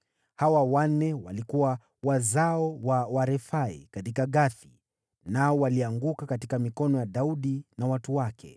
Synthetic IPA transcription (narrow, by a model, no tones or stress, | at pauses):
hawawan̩nːɛwa̰likuwa | wazaɔwawaɾɛfaḭkatikaɠaθi | naɔwaliaŋɡukakatikamikɔnɔjaɗauɗinawatuwakʰɛ̰